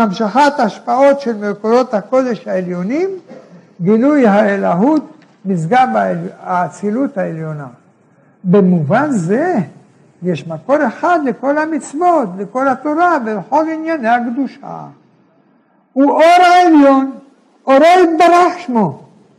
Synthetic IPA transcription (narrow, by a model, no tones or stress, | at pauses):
mamʃaχat̪aʃpao̞t̪ʃelmelkodot̪hako̞d̪eʃhaeljo̞nim | ɡilujhaelaɦut̪̚ | misɡabaaːt͡silut̪haeljo̞na̰ | bemuvanze | jeʃmako̞ɾe̞χad̪leko̞lhamit͡svo̞t̪leko̞lhat̪o̞ɾavelexo̞linjanehaɡd̪uʃa̰ | uʔoɾaeljo̞n | ʔoɾoit̪̚baɾaχʃmo